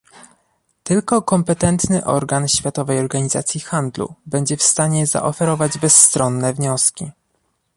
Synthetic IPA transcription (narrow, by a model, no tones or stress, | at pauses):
t̪ɘlkɔkɔmpɛt̪ɛnt̪nɘʔɔ̰ɾɡanɕfʲjat̪ɔvɛjɔɾɡaɲiza̰t̪sʲjixand̪lṵbɛɲd͡ʑɛfst̪aɲɛza̰ʔɔfɛɾɔvad͡ʑbɛsːt̪ɾɔnːɛvɲɔskʲi